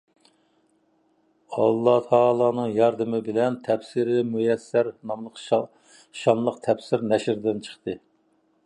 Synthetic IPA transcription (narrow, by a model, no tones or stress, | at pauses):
ɑlˠːɑht̪ʰɑːlˠɑːnɨŋjɑɾd̪ɨmɪbɪlɛnt̪ʰɛpsɪɾɪmujɛsːæɾnɑmlˠəq | ʃɑnlˠəqt̪ʰɛpsɪɾnɛʃɾd̪ɪnt͡ʃʰə̥χt̪ɨ